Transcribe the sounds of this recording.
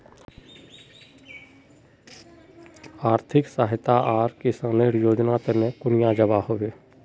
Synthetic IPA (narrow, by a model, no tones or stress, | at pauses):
aːɾt̪ʰɪksaːɦɪt̪aʔaːɾkesaneɾjoːd͡ʒnat̪enẽkʊnɪjãd͡ʒəbahoʋeː